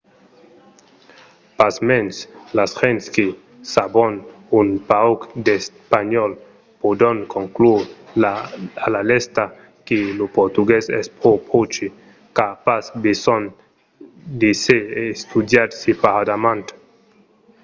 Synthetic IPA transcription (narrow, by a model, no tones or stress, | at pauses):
pasmɛnslasxɛnt̪ske | sabɔn | unpaokd̪espaɲɔl | pod̪oŋkoŋklu | alalɛst̪a | kilopoɾt̪uɡesɛ̰spɾopʰot͡ʃi | kapasbesɔn | d̪iseeːst̪ud̪jaɾsipaad̪amãnt̪